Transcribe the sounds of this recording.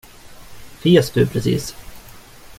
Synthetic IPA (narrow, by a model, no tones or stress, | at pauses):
feːsd̪ɵpʰɾɛsḭːs